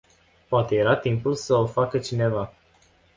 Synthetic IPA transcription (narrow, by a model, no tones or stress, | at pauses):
poat̪e̞jeɾat̪impulsəofakət͡ʃine̞va